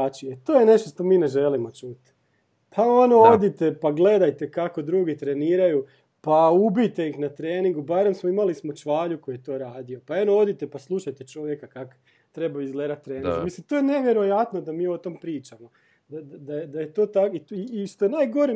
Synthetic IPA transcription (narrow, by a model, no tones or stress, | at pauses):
at͡ʃiet̪oːjene̞ʃt̪o̞ʃt̪o̞miːne̞ʒelimo̞t͡ʃut̪ | pʰao̞no̞o̞d̪it̪e̞paɡle̞d̪ajt̪e̞kako̞d̪ɾuːɡit̪ɾe̞niːɾaju | paubijt̪e̞ixnat̪ɾeːniŋɡubaːɾe̞msmoimalismo̞t͡ʃʋaːʎukojet̪o̞ːɾaːd̪io̞paenoo̞d̪it̪epaslˠuʃajt̪et͡ʃoʋjekakako̥ | t̪ɾe̞baizɡled̪at̪ːɾeːnzmislimt̪o̞ːjene̞ʋje̞ɾo̞jat̪no̞d̪amiːo̞t̪o̞mpɾiːt͡ʃamo̞ | d̪ad̪ad̪ajed̪ajet̪o̞ːt̪akiiːʃt̪ojenaːjɡo̞ɾi